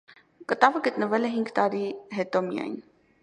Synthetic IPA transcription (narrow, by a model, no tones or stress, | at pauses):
kət̪ɑvəɡət̪nəvɛlɛɦiŋɡt̪ɑɾiɦɛt̪ɔmijɑ̰jn